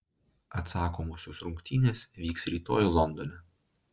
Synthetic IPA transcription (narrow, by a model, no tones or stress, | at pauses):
ɐt̪sɑːkoːmoːsʲoːsɾʊŋʲkt̪ʲiːnʲeːsʋʲiːksɾʲiːt̪o̰ːjulˠɔnd̪ɔnʲɛ